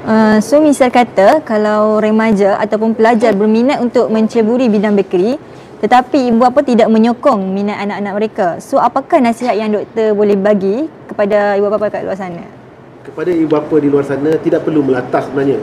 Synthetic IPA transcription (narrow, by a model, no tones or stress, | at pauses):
əsomisarkat̪akalawɾɛmad͡ʒaʔa̰t̪awpʊnpəlad͡ʒarbərminat̪unt̪ʊk̚mə̃ɲt͡ʃəbuɾibidaŋbəkɾi | t̪ət̪apiːbuapat̪idaʔ̚mə̃ɲokɔŋminat̪anaʔanaʔ̚məɾekasoapakahnasiɦat̪̚jaŋdɔk̚t̪ərbolɛhbaɡikəpadaibuapapakaʔlṵarsanã | kəpadaibuapadiluarsanãt̪idaʔ̚pərluməlat̪ahsəbənarɲa